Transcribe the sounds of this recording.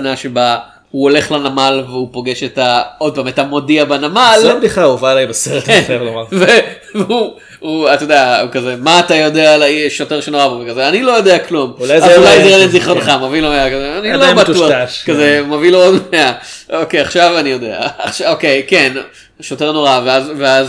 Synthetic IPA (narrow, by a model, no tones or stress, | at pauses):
naʃeba | huo̞le̞χlanamalveupo̞ɡe̞ʃetao̞d̚pametamo̞diabanamalabdiχauvalajbaseʁkenavlomaʁve | vu | uatjodeaukazemaːtajo̞dealaiʃo̞teʁʃenoʁabovekazeanilo̞jo̞deaklumuajavalulajzeʁenenziχonχamavilomeakazeanilobatuakazemaviloodmea | okejaχʃavanijo̞dea̰ʃaokejken | ʃo̞te̞ʁno̞ʁaveazveaz